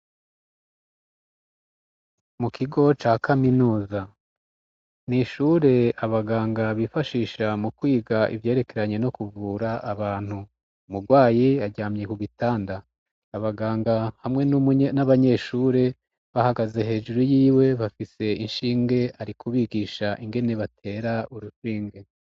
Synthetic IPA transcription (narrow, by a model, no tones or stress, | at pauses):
mukʰiɡo̞t͡ʃaːkaminuːza | niʃuɾe̞aβaɡaːŋɡaβifaʃiːʃamukwiːɡaʔḭvje̞ːɾe̞ke̞ɾaɲe̞no̞kuvuːɾaaβaːn̥hu | umuɾɡwaːjiaɾɟaːmɲe̞kuɡitaːndaː | βaɡaːŋɡahamŋe̞nnaβaɲe̞ʃuːɾe̞ | βahaɡaze̞he̞ːʒuɾujiːwe̞βafise̞inʃiːŋɡe̞aɾikuβiɡiːʃaʔiŋɡe̞ne̞βatʰe̞ːɾauɾufiːŋɡe̞